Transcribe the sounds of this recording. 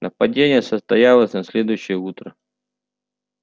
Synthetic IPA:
nəpɐdʲenʲɪjəsəst̪ɐjalˠəsʲnɐsʲlʲe̞d̪ʊjʉɕːɪjəut̪ɾə

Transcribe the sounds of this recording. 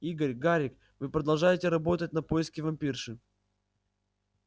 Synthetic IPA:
iɡəɾʲɡaɾʲɪk | vɨpɾəd̪ɐlˠʐajɪtʲɪɾɐbo̞t̪ət̚ʲnɐpojɪskʲɪvɐmʲpʲirʂɨ

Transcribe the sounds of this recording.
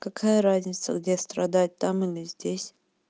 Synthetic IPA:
kɐkʰajəɾazʲnʲɪt̪sə̰ɡdʲest̪ɾɐd̪at̚ʲt̪amɨlʲɪzʲdʲesʲ

